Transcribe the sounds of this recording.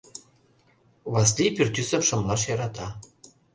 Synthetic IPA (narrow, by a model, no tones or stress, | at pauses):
βɑslʲipʲyrt̪ʲysə̆mʃɤ̆mlˠɑʃjɑɾɑt̪ɑ